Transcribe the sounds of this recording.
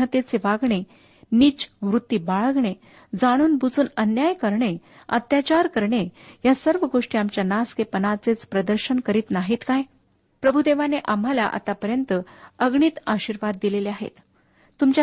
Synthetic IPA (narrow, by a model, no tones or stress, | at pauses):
ət̪et͡seʋaɡɳe | niːt͡ɕʋɾut̪ːiːbaɭəɡɳe | d͡zaɽ̃uːnbud͡zuːnənjajkəɾɳe | ə̰t̪jat͡ɕaɾkəɾɳejasəɾʋəɡoʂʈiːamt͡ɕjanaskepənat͡set͡spɾəd̪əɾɕənkəɾiːt̪naɦiːt̪kaj | pɾəbʱud̪eʋaneʔam̤ala̰ʔa̰t̪apəɾjənt̪əəɡɳiːt̪aɕiɾʋad̪ːileleaɦḛt̪ː | umt͡ɕa